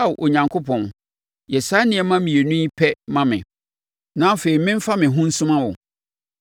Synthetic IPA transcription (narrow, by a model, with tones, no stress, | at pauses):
a˦˨wʔo˨ɲã˨ŋkʰo˦pʰɔ̃˨n | jɛ˨sa˦nɪ̃˦ɛ˨˦mã˦mĩ˨e˨nũ˦i˦pʰɛ˦mã˦mɪ̃˨ | nã˦fe˨i˨mɪ̃˦ɱ̩˦fa˦mɪ̃˨ɦʊ̃˦n̩˦sʊ̃˦mã˦wʊ˨